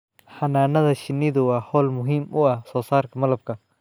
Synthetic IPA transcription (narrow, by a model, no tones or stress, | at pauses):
ħɐnaːnɐðɐʃɪnːɪðʊwɑːħɔːlmʊɦimʔʊɐhsɔːsaːrkʰɐmɐlɐb̚kʰɐ